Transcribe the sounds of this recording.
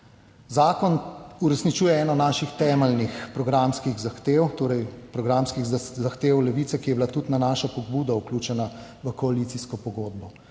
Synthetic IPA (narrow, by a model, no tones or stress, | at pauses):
zaːkɔnuɾɛsnit͡ʃuːjɛɛːnɔnaːʃixt̪ɛːmɛlnixpɾɔɡɾamskiɣzaxt̪eːwt̪oːɾɛjpɾɔɡɾamskiɣzaxt̪eːwlɛʋiːt̪sɛkijɛbilat̪ut̪nanaːʃapɔɡbuːd̪auklʲuːt͡ʃɛnaʋəkɔalit̪siskɔpɔɡoːd̪̚bɔ